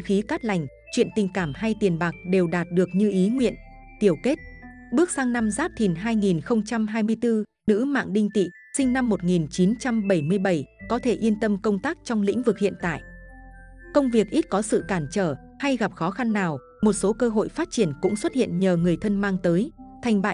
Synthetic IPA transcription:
xi˨˦kaː˦˥t̚la˨˩jŋ̟ | t͡ɕwḭ˧˨ənt̪ï˨˩ŋ̟kaː˧˩mha˧jt̪i˨˩ənɓaː˨˩k̚ɗe˨˩wɗaː˨˩t̚ɗɨ˨˩ək̚ɲɨ˧ʔi˨˦ŋwḭ˧˨ən | t̪i˨˧˩əwke˦˥t̚ | ɓɨ˦˥ək̚saː˧ŋna˧mzaː˦˥p̚t̪ʰi˨˩nɦaː˧jŋi˨˩nxə˧wŋ͡mt͡ɕa˧mɦaː˧jmɨ˧əjt̪ɨ˧ | nɨ̰˧˥ma̰ː˧˨ŋɗï˧ŋ̟t̪ḭ˧˨ | sï˧ŋ̟na˧mːo˨˩t̚ŋi˨˩nt͡ɕi˨˦nt͡ɕa˧mɓə˧˩jmɨ˧əjɓə˧˩jkɔ˨˦t̪ʰe˧˩ʔi˧ənt̪ə˧mkə˧wŋ͡mt̪aː˦˥k̚t͡ɕɔ˧wŋ͡mlḭ̈˧˥ŋ̟vɨ˨˩k̚hḭ˧˨ənt̪a̰ː˧˨j | kə˧wŋ͡mvi˨˩ək̚ʔi˦˥t̚kɔ˨˦sɨ̰˧˨kaː˧˩mt͡ɕəː˧˩ | ha˧jɣa˨˩p̚xɔ˨˦xa˧nːaː˨˩w | mo˨˩t̚so˨˦kəː˧ɦo̰˧˨jfaː˦˥t̚t͡ɕi˧˩ənkʊ̰˧˥ŋ͡mswə˦˥t̚hḭ˧˨ənɲəː˨˩ŋɨ˨˩əjt̪ʰə˧nmaː˧ŋt̪əː˨˦jt̪ʰa˨˩jŋ̟ɓa̰ː˧˨

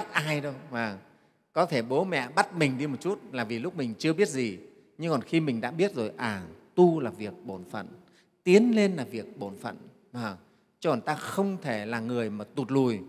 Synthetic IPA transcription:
a˦˥t̚ʔaː˧jɗə˧wvaː˨˩ | kɔ˨˦t̪ʰe˧˩ɓo˨˦mɛ̰˧˨ɓa˦˥t̚mï˨˩ŋ̟ɗi˧mo˨˩t̚t͡ɕu˦˥t̚laː˨˩vi˨˩lʊ˦˥k͡p̚mï˨˩ŋ̟t͡ɕɨ˧əɓi˦˥ət̚zi˨˩ | ɲɨ˧ŋkɔ˨˩nxi˧mï˨˩ŋ̟ɗa̰ː˧˥ɓi˦˥ət̚zo˨˩jʔaː˨˩t̪u˧laː˨˩vi˨˩ək̚ɓo˧˩nfə̰˧˨n | t̪i˨˦ənle˧nlaː˨˩vi˨˩ək̚ɓo˧˩nfə̰˧˨n | aː˨˩ | t͡ɕɨ˧kɔ˨˩t̪aː˧xə˧wŋ͡mt̪ʰe˧˩laː˨˩ŋɨ˨˩əjmaː˨˩t̪u˨˩t̚lu˨˩j

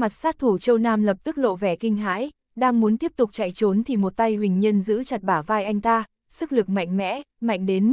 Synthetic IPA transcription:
ma˨˩t̚saː˦˥t̚t̪ʰu˧˩t͡ɕə˧wnaː˧mlə˨˩p̚t̪ɨ˦˥k̚lo̰˧˨vɛ˧˩kï˧ŋ̟ɦa̰ː˧˥j | ɗaː˧ŋmu˨˦ənt̪i˦˥əp̚t̪ʊ˨˩k͡p̚t͡ɕa̰˧˨jt͡ɕo˨˦nt̪ʰi˨˩mo˨˩t̚t̪a˧jɦwï˨˩ŋ̟ɲə˧nzɨ̰˧˥t͡ɕa˨˩t̚ɓaː˧˩vaː˧jʔa˧jŋ̟t̪aː˧ | sɨ˦˥k̚lɨ˨˩k̚ma̰˧˨jŋ̟mɛ̰˧˥ma̰˧˨jŋ̟ɗe˨˦n

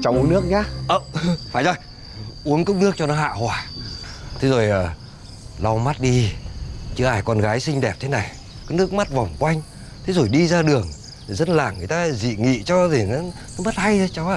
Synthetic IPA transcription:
t͡ɕa˨˦wnɨ˦˥ək̚ɲaː˨˦ʔəː˧˩faː˧˩jzɔ˧˩j | ʔu˨˦ənkʊ˦˥k͡p̚nɨ˦˥ək̚t͡ɕɔ˧nɔ˨˦ɦa̰ː˧˨hwaː˨˩ | t̪ʰe˨˦zo˨˩jʔəː˨˩ | la˧wma˦˥t̚ɗi˧ | t͡ɕɨ˨˧˦ʔaː˧˩jkɔ˧nɣaː˨˦jsï˧ŋ̟ɗɛ˨˩p̚t̪ʰe˨˦na˨˩j | ka˨˦nɨ˦˥ək̚ma˦˥t̚va˨˩wŋ͡mkwa˧jŋ̟ | t̪ʰe˨˦zo˨˩jɗi˧zaː˧ɗɨ˨˩əŋ˨˩ | zə˦˥t̚laː˨˩ŋɨ˨˩ə˨jt̪aː˧zḭ˧˨ŋḭ˧˨t͡ɕɔ˧ɗe˧˩nɔ˨˦nɔ˨˦mə˦˥t̚ha˧jt͡ɕa˨˦wa˧˨

